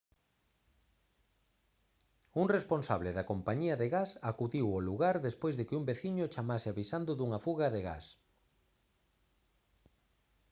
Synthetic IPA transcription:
uŋresponsaβleðakompaɲiɐðeɣasakuðiwoluɣaɾðespojzðekɪumbeθiɲʊt͡ʃamasɪaβisand̪ʊðuŋafuɣaðeɣa̰s

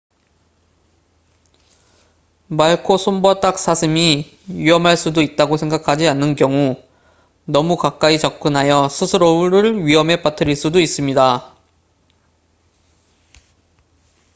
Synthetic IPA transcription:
maɭkʰosʰombʌt͈ak̚s͈ʰasʰɯmi | ɥiɦʌmɦaɭs͈udoit̚t͈aɡosʰe̞ŋɡakʰad͡ʑianːɯnkjʌŋu | nʌmukak͈ait͡ɕʌk̚k͈ɯnɦajʌsʰɯsʰɯɾouɾɯɭɥiɦʌme̞patʰɯɾiɭs͈udois͈ɯmɲida

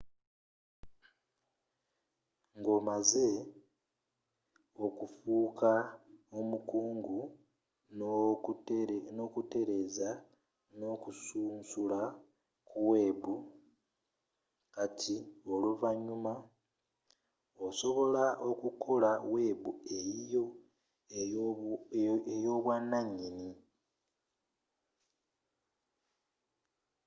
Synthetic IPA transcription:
ŋɡo̞ːmaze̞ | o̞kufuːkʰao̞mukuːŋɡu | nokute̞ɾe̞za | no̞ːkusuːnsula | kuwe̞ːβu | katʰioluvaɲuma | oso̞βo̞laʔo̞kukʰo̞laweːβuejijo | ejoːβwanːaɲːini

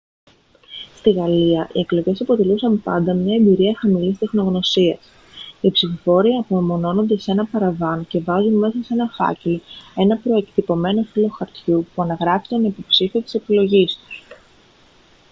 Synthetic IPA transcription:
st̪iɣɐliɐʔḭeklo̞ʝe̞sɐpo̞t̪e̞lusɐmpɐ̰nd̪ɐmɲɐembiɾiɐxɐmilist̪e̞xno̞ɣno̞siɐs | ipsifo̞fo̞ɾiɐpuomo̞no̞no̞nd̪e̞se̞nɐpɐɾɐvɐnce̞vɐzunme̞sɐse̞nɐfɐ̰ce̞lo̞e̞nɐpɾo̞e̞kt̪ipo̞me̞no̞filo̞xɐɾt̪çupuɐnɐɣɾɐfit̪onipopsifiot̪i̥se̞pilo̞ʝist̪u̥s

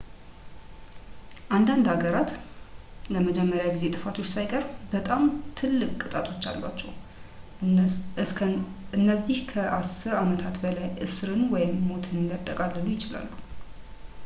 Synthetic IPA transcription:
ʔand̪and̪aɡəɾat̪ | ləməd͡ʒɛmːəɾjaɡize̞t̪ʼɨfat̪ʰo̞t͡ʃːsajkʼəɾbət̪ʼamt̪ʰɨlːɨkʼkʼɨt̪ʼat̪ʼo̞t͡ʃːa̰lba̰t͡ʃːɛw | ʔɨnːəzihkʰəʔasɨɾamət̪ʰat̪bəlajɨsɨɾɨnwɔjɪmːo̞t̪ʰɨnɨnd̪ət̪ʼːəkʼalːəlujɪt͡ʃɪla̰lːu

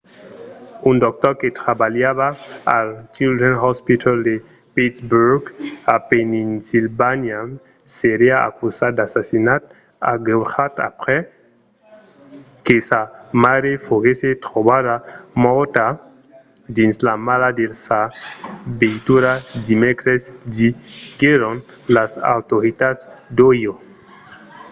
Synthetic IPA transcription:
und̪ɔk̚t̪ɔɾket̪ɾabaljaβaːlt͡ʃild̪ɾɛnɦɔspit̪ʰald̪e | pit̪sbuɾɡapeninsilbanja | seɾiaa̰kusatd̪asasinat̪̚ | a̰ɡuxat̪a̰pɾɛ | kesamaɾefoɣeset̪ɾobadamɔt̪a | d̪inslamalad̪elsa | bejt̪uɾad̪imɛkɾesd̪iɡeɾon | lasa̰wt̪oɾit̪asd̪ojo

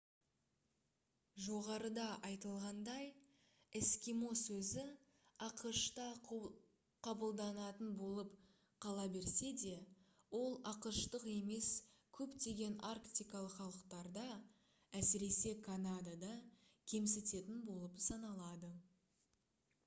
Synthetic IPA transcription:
ʒo̞ʁɑɾəd̪ɑʔɑjt̪əlˠʁɑnd̪ɑj | ɪskʲimo̞sɵzɪ | ɑqəʃt̪ɑ | qʰɑbəlˠd̪ɑnɑt̪ənbo̞lˠəp | qʰɑlˠɑbe̞ɾse̞d̪e̞ | wo̞lˠɑqəʃt̪əqe̞me̞skʲʰɵpt̪e̞ɡʲe̞narkt̪ijkɑlˠəqχɑlˠəqt̪ɑɾd̪ɑ | æsɪɾe̞se̞kʰanad̪ad̪ɑkʲʰe̞mset̪e̞t̪ɪnbo̞lˠəpsɑnɑlˠɑd̪ə

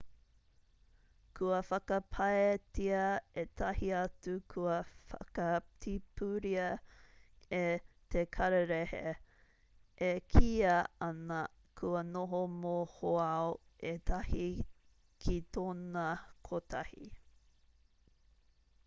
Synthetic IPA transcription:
kʰuɐfɐkɐpʰɐetiɐet̪ʰɐhiɐtukʰuɐfɐ̰kɐtʰipʰuɾiɐ | e | t̪ʰekʰɐɾeɾehḛ | ekʰiːɐɐnɐ | kʰuɐnoɦomohoao | ʔet̪ʰɐhi | kʰitoːnɐkʰotʰɐhḭ

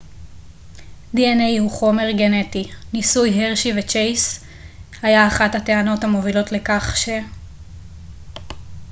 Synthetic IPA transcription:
d̪ienejhuχo̞me̞ʁɡe̞ne̞tinisujɦeʁʃivet͡ʃejs | hajaːχathate̞ano̞thamo̞vilo̞tle̞kaχʃe

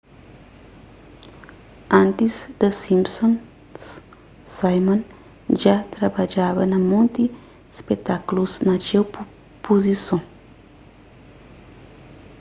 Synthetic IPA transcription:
ɐ̃nt̪izd̪ɐsĩmsõn | s | sajmõn | ʒat̪ɾɐbad͡ʒaβɐnɐmõnt̪i | spet̪akuluznɐt͡ʃew | pozisõ

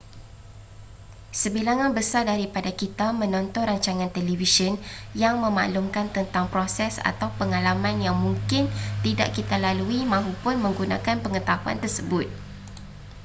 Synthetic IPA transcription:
səbilaŋanbəsardaɾipadakit̪amə̃nɔnt̪ɔnraɲt͡ʃaŋãnt̪elivisənjaŋmə̃ma̰ʔlumkant̪ənt̪aŋpɾosɛsa̰t̪awpəŋalamãnjaŋmũŋkɪnt̪idaʔkit̪alaluimãɦupʊnmə̃ŋɡunã̰kanpəŋət̪aɦua̰nt̪ərsəbʊt̪̚

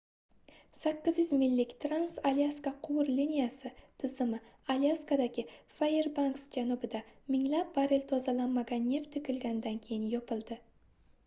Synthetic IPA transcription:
sakʲːɪzjʏzmɪlːɪkʲt̪ʰɾansaliaskaqʰʊwʊɾlinijasɪt̪ʰɪzɪmɪaliaskad̪aɡʲɪfaje̞ɾbanksd͡ʒanʊbɪd̪amɪŋlap̚baɾelt̪ʰɒzalanmaɡʲanːe̞ft̪ʰːʊkʲɪlɡʲanɪd̪ankʲʰe̞jɪnjɒpʰɪlˠd̪ɪ

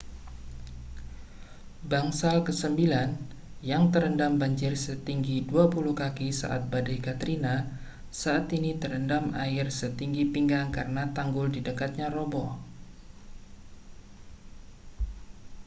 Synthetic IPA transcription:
baŋsalkəsəmbilan | jaŋt̪əɾəndambaɲd͡ʒɪrsət̪iŋɡiduapuluhkakisa̰ʔa̰t̪̚badajkat̪ɾina | saʔat̪init̪əɾəndamaɪrsət̪iŋɡipiŋɡaŋkarənat̪aŋɡʊldidəkat̪̚ɲaɾɔbɔ

